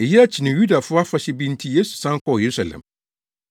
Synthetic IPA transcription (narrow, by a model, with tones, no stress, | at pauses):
ɪ˨jɛ˦a˦t͡ɕʰi˨nɪ̃˨ju˦da˨fʊ˦a˦fa˨ɕɛ˦bĩ˦n˦tʰi˦je˦su̥˨sã˦n˦kʰɔ˦˨je˨ɾu˦sa˨lɛ̰̃˨m